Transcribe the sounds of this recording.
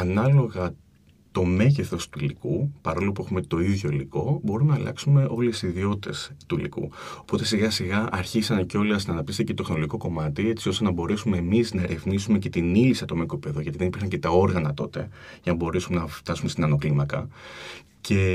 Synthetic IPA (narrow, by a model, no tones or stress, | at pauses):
ɐnɐlo̞ɣɐ | t̪o̞me̞ʝeθo̞st̪uilikupɐɾo̞lo̞pue̞xume̞t̪o̞iðʝo̞iliko̞bo̞ɾumenɐlɐ̰ksume̞ʔo̞lesiðio̞t̪e̞st̪ulḭkṵo̞po̞t̪e̞siɣɐsiɣɐʔɐɾçisɐnceo̞liɐsnɐnɐp̚t̪ist̪icet̪exnoloʝiko̞ko̞mɐt̪ie̞t͡sio̞st̪e̞nɐbo̞ɾe̞sume̞ːmiznɐɾe̞vnisume̞ce̞t̪inilisɐt̪omekopipe̞ðoʝɐt̪iðenipiɾxɐɲce̞t̪ɐo̞ɾɣɐnɐt̪o̞̰t̪e̞̰ | ʝɐnɐbo̞ɾe̞sumenɐft̪ɐsume̞st̪inɐno̞klimɐkɐ̰ | ce̞